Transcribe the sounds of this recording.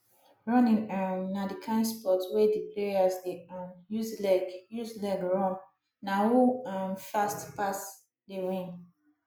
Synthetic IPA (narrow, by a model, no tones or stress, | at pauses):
ɹɔ̃nĩŋamnadikʰãnspɔtwedipʰleasdeãnjuzlɛɡjuzlɛɡɹɔ̃n | nauãnfastpas | dewĩn